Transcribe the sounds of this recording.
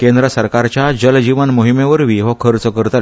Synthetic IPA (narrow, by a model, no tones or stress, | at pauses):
kẽnd̪ɾəsəɾkaɾt͡ɕjad͡ʑəld͡ʑiʋənmoɦimeʋəɾʋiɦɔkʰəɾt͡səkəɾt̪a